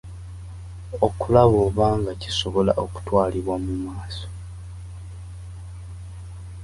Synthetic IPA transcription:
okulaβoːβaːŋɡaci̥so̞βo̞la̰ʔo̞ku̥twaːliβwamumaːso

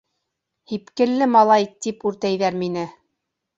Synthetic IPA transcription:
hipkɘ̆lːɘmɑlˠɑjt̪ipʉɾt̪æjðæɾminɘ

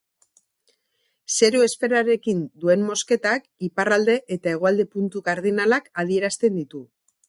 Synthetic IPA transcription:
se̞ɾoe̞spe̞ɾaɾe̞kind̪ue̞mmo̞ske̞t̪akiparald̪e̞ʔet̪ae̞ɣ̞o̞ald̪e̞punt̪uɣaɾð̞inalakað̞ie̞ɾast̪e̞nd̪it̪u

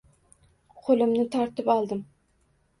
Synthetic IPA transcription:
qʰolˠɪmnɪt̪ʰɒɾt̪ɪpɒlˠd̪ɪm

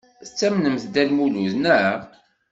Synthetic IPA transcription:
θət͡sːæmnəmθd̪ælmuluznæɾa

